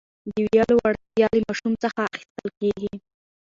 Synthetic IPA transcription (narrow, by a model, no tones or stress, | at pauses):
d̪əwjɑlowaɽ | jɑlemɑʃumt͡səxaːxi̥st̪əlkeɡi